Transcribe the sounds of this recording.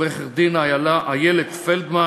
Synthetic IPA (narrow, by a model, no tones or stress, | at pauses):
eχeʁd̪inajalaʔajeled̪feld̪ma